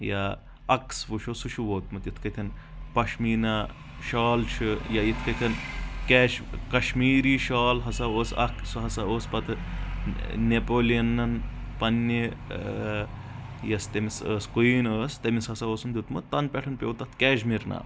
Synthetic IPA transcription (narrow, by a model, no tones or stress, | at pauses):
ja | ɐksʋuʃosut͡ʃʰuʋoːt̪mɐt̪jit̪ʰkɐk̪ʲʰɐn | pɐʃmiːna | ʃaːlt͡ʃʰɨjait̪ʰkɐk̪ʲʰɐnkɛːʃkɐʃmiːɾiːʃaːlɦɐsaːoːsɐ̰ksuɦɐsaoːspɐt̪ʰɨ | nepoːliɐnːɐnpɐnːi | jɐst̪emisəːskuiːnəːst̪ɐmishɐsaoːsund̪ut̪mɐt̪t̪ːɐnpʲeʈʰɐnpʲoːwt̪ɐt̪ʰkɛːʃmiɾna̰ː